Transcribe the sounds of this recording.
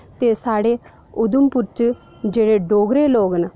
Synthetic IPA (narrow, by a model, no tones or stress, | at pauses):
t̪esaːɽe | ʊd̪umpuɾt͡ʃ | d͡ʒeːɽeɖoːɡɾeloːɡnə